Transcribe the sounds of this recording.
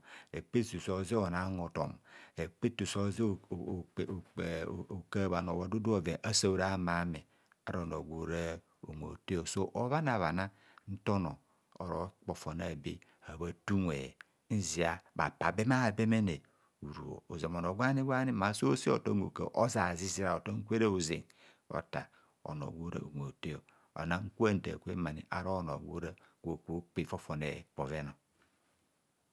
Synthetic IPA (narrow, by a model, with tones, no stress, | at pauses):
e˨k͡pe˦tu˨so˨zi˦o˨na˨˦ŋo˨to̰˨me˨k͡pe˦tu˨so˦zo˨ka˦˨βa˨n˨o˨wo˨du˦du˦o˨ve˨ʔa˦sa˦˨ɾa˦ma˨˦me˨ | a̰˨ɾo˨no˨ɡʷo˨ɾe˦ | o˨ŋʷ˨o̰˨te˦o˨so˦ʔo˦βa˦na˨βa˨na˦ | n̩˦to˦no̰˨ | o̰˨ɾo̰˨k͡po˨fo˨na˨bi˦ | a˨βa˦tu˦nʷe˨ | n̩˦zi˨a˦ba̰˨pa˨be˦ma˦˨be˦me˦ne˨ | u˨ɾu˨o̰˨o˨ze˨mo˨no˨ɡʷa˦ni˦ɡʷa˦ni˦˨ma˨so˦si˦o̰˨to˦ŋ˦ɡo̰˨kḛ˨ʔo˦za˨zi˦zi˦ɾa˨o˨to˦ŋ̩˦kʷe˦ɾa˦u˨zḭ˨n | o̰˨ta̰˨ | o̰˨no̰˨ɡʷo˦ɾa̰˨ŋʷ˨e˨te˦o˨ | o̰˨na˦ŋ̩˦ku˦a˦n̩˨da̰˨kʷḛ˦ma˨nḭ˨ʔa̰˨ɾo˦˨no˨ɡʷo̰˦ɾa˦ɡʷo˨ko˦k͡pe˦˨fo˦fo˨nḛ˨k͡po˨ve˦no˨